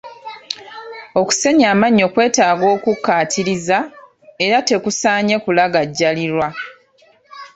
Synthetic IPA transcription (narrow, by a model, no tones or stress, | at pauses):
o̞ku̥se̞ɲaːmaɲːo̞kwe̞ːtaːɡo̞ːkukːaːtʰiɾiza | eɾate̞kusaːɲe̞kulaɡaɟːaliɾwa